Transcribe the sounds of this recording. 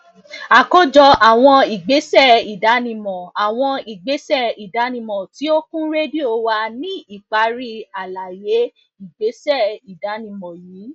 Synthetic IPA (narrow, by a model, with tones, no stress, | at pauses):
a˨ko˦d͡ʒɔ˧ʔa˨w̃ɔ̃˧i˨ɡ͡be˨˦sɛ˦˨i˨da˨˦nĩ˧mɔ̃˨a˨w̃ɔ̃˧i˨ɡ͡be˨˦sɛ˦˨i˨da˨˦nĩ˧mɔ̃˨ti˨˦o˦kũ˦ɾe˦di˦o˧wa˧nĩ˦i˨k͡pa˨˦ɾi˧a˨la˨je˨˦ | i˦˨ɡ͡be˨˦sɛ˦˨i˨da˨˦nĩ˧mɔ̃˨ji˨˦